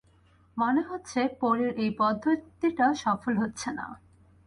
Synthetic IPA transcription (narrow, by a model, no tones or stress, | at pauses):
moneɦotːɕʰepoɾeɾʔejpɔd̪ʱːot̪iʈaʃɔfolɦotːɕʰena̰